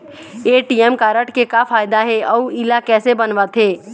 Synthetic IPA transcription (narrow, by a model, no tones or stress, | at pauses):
eːʈiɛmkaːɾəʈkekafʰaːjd̪aɦɛʔɔːɪlakɛːsebɐnʋat̪ɦeː